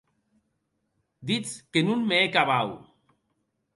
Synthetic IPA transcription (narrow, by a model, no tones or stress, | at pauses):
d̪it͡skenunmeekaβaw